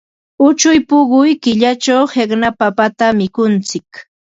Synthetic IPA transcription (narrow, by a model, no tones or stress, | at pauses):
ʊt͡ʃʊjpʊɢʊjkɪʎat͡ʃawheknapapat̪amɪkʊnt͡sɪk